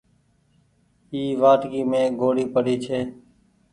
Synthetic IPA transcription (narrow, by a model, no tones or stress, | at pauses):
iːʋaːʈɡiːmẽːɡʱoːɽiːpəɽiːt͡ʃʰeː